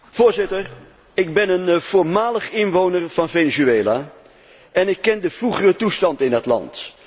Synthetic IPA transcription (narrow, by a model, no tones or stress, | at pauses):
v̥ʊːɹzɪtər | ɪɡ̚bɛnənv̥ʊːɹmaːləχɪnʋownərv̥ɑnvenizyeːlaː | ɛnɪkːɛndəv̥ruχərətustɑntɪndɑtlɑ̰nt